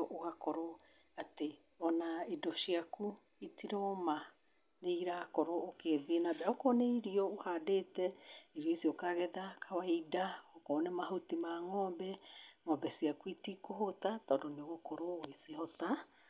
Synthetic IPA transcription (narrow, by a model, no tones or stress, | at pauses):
ʔoɣakɔɾo | ate | ɔnaidɔʃiaku | itiɾɔma | neiɾakoɾoːkeðienabɛaokɔnɛiɾiɔohadeːtɛiɾiɔisiɔkaɣɛðakʰawaidaokonɛmaɦotimaŋɔːmbɛŋɔːbɛsiakuitikohotatɔːndoneɣokoɾowisihɔta